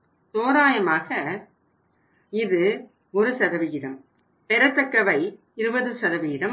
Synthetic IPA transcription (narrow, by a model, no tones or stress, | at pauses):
t̪oːɾaːjɐmaːɣɐ | ɪðɯ | ɔɾɯsɐðɐʋɪjɪɾɐm | pɛɾɐt̪ːɐkːɐʋɐɪ | ɪɾɯbɐðɯsɐðɐʋɪjɪɾɐm